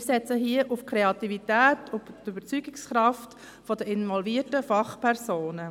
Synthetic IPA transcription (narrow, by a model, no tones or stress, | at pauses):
sɛt͡səɦiəʔʊfkʰɾeɑtivitɛːtʊbtybəɾt͡syːɡɪksχɾɑft | fɔdəɪnvɔlviətəfɑχpʰɛɾsoːnə